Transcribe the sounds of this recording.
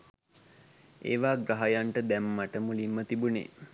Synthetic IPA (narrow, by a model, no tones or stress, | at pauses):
ḛːʋaːɡɾaɦajaɳʈəd̪æmːaʈəmulimːət̪ibunḛː